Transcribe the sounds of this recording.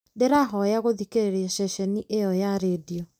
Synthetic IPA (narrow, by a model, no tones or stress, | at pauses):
ndeɾaɦɔjaɣoðikeɾeɾeɛʃɛʃɛniʔejɔjaɾeːdiɔ